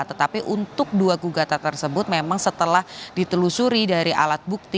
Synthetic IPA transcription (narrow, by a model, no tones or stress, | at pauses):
t̪ət̪apiʔunt̪ʊk̚duaɡuɡat̪at̪ərsəbʊt̪̚memaŋsət̪əlahdit̪əlusuɾidaɾiʔa̰lat̪̚buk̚t̪i